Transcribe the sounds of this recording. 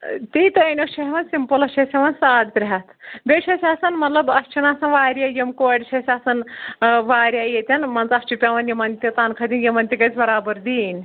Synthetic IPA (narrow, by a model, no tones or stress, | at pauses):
t̪it̪ɐɐnʲoʃʰɐɦʋɐnsimpɐlɐt͡ʃʰesʲeʋɐnsaːɖt̪ɾʲɦat̪bʲeʃʰesʲaːsɐnmɐt̪lɐbɐst͡ʃʰinaːsɐnʋaːɾʲjajɐmkoːɖt͡ʃʰesʲaːsɐnʋaːɾjajet̪ʲɐnmɐnt͡sɐst͡ʃʰipʲaːʋɐnjimɐnt̪ʲit̪aːnkʰɐd̪ʲinjimɐnt̪ʲikɐt͡sbɐɾaːbɐɾd̪iːnʲ